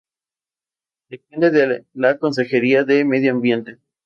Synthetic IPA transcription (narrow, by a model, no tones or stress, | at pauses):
d̪epend̪eðelako̞ns̬e̞xe̞ɾiaðemeðjoambje̞nt̪e